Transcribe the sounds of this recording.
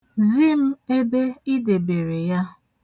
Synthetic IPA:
zi˦m̩˦e˦be˦i˦de˨be˨ɾe˨ja˦

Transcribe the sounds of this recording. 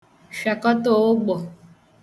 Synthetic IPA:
ʃa˨kɔ˦to˦˨wo˦ɡ͡bɔ˨

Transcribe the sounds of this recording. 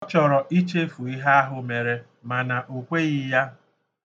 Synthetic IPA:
ɔ˦t͡ʃɔ˨ɾɔ˨ʔi˦t͡ʃe˦fu˨i˦ɦa˦a˦ɦʊ˨me˨ɾe˨ | ma˨na˨ʔu˨kʷe˦ɣɪ˦ja˦

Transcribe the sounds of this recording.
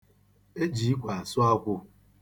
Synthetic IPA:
e˦d͡ʒi˨˦i˦kʷa˨a˨sʊ˦a˦kʷʊ˦

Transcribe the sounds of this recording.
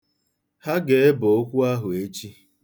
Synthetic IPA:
ha˦ɡe˨e˦bo˨o˦kʷu˦a˦ɦʊ˨e˦t͡ʃi˦

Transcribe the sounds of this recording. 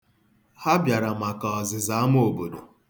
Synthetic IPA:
ha˦bja˨ɾa˨ma˨ka˨ɔ˨zɪ˨za˦m˦o˨bo˨do˨

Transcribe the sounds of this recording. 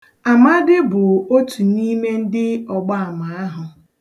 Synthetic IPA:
a˨ma˦dɪ˦bʊ˨o˦tʰu˨ni˦me˦n̩˦dɪ˦ɔ˨ɡ͡ba˦a˨ma˨a˦ɦʊ˨

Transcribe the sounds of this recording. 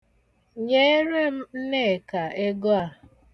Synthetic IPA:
ɲe˦e˦ɾe˦m̩˦n̩˦ne˦˨ka˨ʔe˦ɡo˦a˦˨

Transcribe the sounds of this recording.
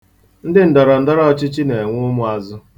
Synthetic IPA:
n̩˦dɪ˦n̩˨da˨ɾa˨n̩˦da˦ɾa˦ɔ˨t͡ʃɪ˦t͡ʃi˦ne˨ŋʷʊ˦mʊ˨a˨zʊ˦

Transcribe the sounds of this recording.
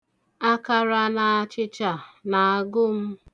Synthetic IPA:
a˦ka˨ɾa˨na˨a˨t͡ʃɪ˦t͡ʃa˨na˨a˨ɡʊ˦m̩˦

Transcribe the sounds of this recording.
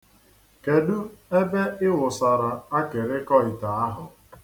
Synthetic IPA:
ke˨du˦e˦be˦ɪ˦wʊ˨sa˨ɾa˨a˦kɪ˨ɾɪ˦kɔ˦ɪ˨ta˨a˦ɦʊ˨

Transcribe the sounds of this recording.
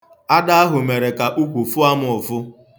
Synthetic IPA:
a˦da˦a˦ɦʊ˨me˨ɾe˨ka˨ʔu˦kʷu˨fʊ˦a˦mʊ˨ʊ˨fʊ˦

